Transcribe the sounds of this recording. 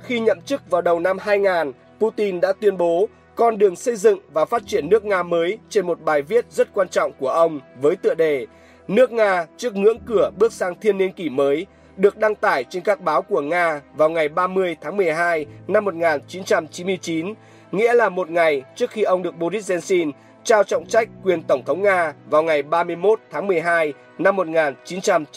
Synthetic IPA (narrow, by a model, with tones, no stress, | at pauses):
xi˧ɲə̰˧˨mt͡ɕɨ˦˥k̚vaː˨˩wɗə˨˩wna˧mhaː˧jŋaː˨˩n | pu˧t̪i˧nɗa̰ː˧˥t̪wi˧ənɓo˨˦ | kɔ˧nɗɨ˨˩əŋsə˧jzɨ̰˧˨ŋvaː˨˩faː˦˥t̚t͡ɕi˧˩ənːɨ˦˥ək̚ŋaː˧məː˨˦jt͡ɕe˧nmo˨˩t̚ɓaː˨˩jvi˦˥ət̚zə˦˥t̚kwaː˧nt͡ɕɔ̰˧˨wŋ͡mku˧˩əʔə˧wŋ͡mvəː˨˦jt̪ɨ̰˧˨əɗe˨˩ | nɨ˦˥ək̚ŋaː˧t͡ɕɨ˦˥ək̚ŋɨ̰˧˥əŋkɨ˧˩əɓɨ˦˥ək̚saː˧ŋt̪ʰi˧ənːi˧ənki˧˩məː˨˦j | ɗɨ˨˩ək̚ɗa˧ŋt̪aː˧˩jt͡ɕe˧nkaː˦˥k̚ɓaː˨˦wku˧˩əŋaː˧vaː˨˩wŋa˨˩jɓaː˧mɨ˧əjt̪ʰaː˨˦ŋmɨ˨˩əjɦaː˧jna˧mːo˨˩t̚ŋaː˨˩nt͡ɕi˨˦nt͡ɕa˧mt͡ɕi˨˦nmɨ˧əjt͡ɕi˨˦n | ŋḭ˧˥əlaː˨˩mo˨˩t̚ŋa˨˩jt͡ɕɨ˦˥ək̚xi˧ʔə˧wŋ͡mɗɨ˨˩ək̚ɓo˧ɾi˦˥zɛ˧nsi˧n | t͡ɕaː˧wt͡ɕɔ̰˧˨wŋ͡mt͡ɕa˦˥jk̟̚kwi˨˩ənt̪ə˧˩wŋ͡mt̪ʰə˨˦wŋ͡mŋaː˧vaː˨˩wŋa˨˩jɓaː˧mɨ˧əjmo˦˥t̚t̪ʰaː˨˦ŋmɨ˨˩əjɦaː˧j | na˧mːo˨˩t̚ŋaː˨˩nt͡ɕi˨˦nt͡ɕa˧m